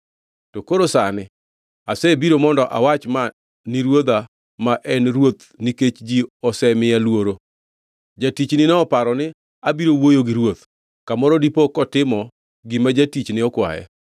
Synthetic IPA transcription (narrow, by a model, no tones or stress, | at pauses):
tokoɾosanɪ | asɛbiɾomɔndɔʔa̰wat͡ʃma | nɪɾwod̪a | maʔɛnɾwot̪ | niket͡ʃd͡ʒiɔsɛmɪjalwoɾo | d͡ʒatit͡ʃnɪnɛɔpaɾɔnɪ | abiɾowojoɡɪɾwot̪ | kamɔɾɔdipɔkɔtɪmɔ | ɡɪmad͡ʒatit͡ʃnɪɔkwa̰jɛ̰